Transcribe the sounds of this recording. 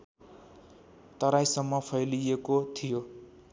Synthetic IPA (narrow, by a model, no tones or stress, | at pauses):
t̪ʌɾajsʌmːʌpʰʌjlijekot̪ʰijo